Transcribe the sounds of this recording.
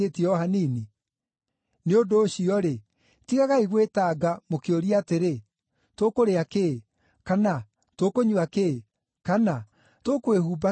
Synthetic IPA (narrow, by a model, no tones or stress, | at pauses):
etiɔɦanini | neondoːɕiɔɾe | tiɣaɣaiɣwetaːɡamokeoɾiateɾe | tokoɾeake | kana | tokoɲuake | kana | tokwehuːba